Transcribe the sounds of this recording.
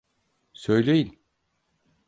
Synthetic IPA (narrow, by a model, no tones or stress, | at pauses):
sø̞jlʲejilʲ